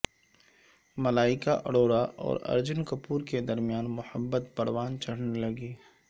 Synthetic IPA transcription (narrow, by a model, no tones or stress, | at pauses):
mɐlaːɪkaʔɐ̰ɽoːɽaɔ̰ːɾɐ̰ɾd͡ʒʊnkɐpuːɾked̪ɐɾmijaːnmʊhəbːət̪pɐɽwaːnt͡ʃɐɽ̤nelɐɡiː